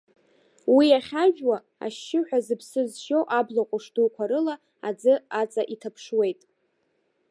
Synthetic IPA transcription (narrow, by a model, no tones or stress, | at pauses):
wiaχʲaʒᶣwa | a̰ʃːɪħʷᶣazɨpʰsɨzʃowʔablaqʷʼʊʂdukʷʰaɾɨla | ad͡zɨat͡sʼaʔitʰapʰʂwe̞jtʼ